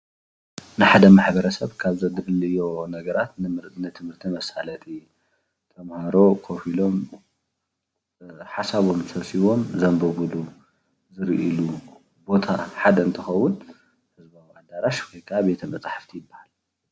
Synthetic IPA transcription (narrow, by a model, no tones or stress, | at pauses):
nɨħad̪ɐmaħbɐɾɐsɐβkʰaβzɐd̪ɡɨlːɨjo̞nɐɡɐɾat̪nɨɾnɨt̪ʰɨmhɨɾt̪ʰimɐsalɐt̪ʰʼi | t̪ʰɐmhaɾo̞kʰofilo̞m | ħasaβo̞msʰɐsiβo̞mzɐmbɐβulu | zɨɾʔilu | bo̞t̪ʰa̰ħad̪ɐɨnt̪ʰɨxɐwun | hɨzbawiad̪aɾaʃwɔjkʰaβet̪ʰɐmɐt͡sʼaħḁft̪ʰijɪbːahal